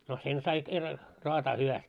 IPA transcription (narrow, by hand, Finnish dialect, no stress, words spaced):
no sen sɑi kerːɑ roɑtɑː hyʋæst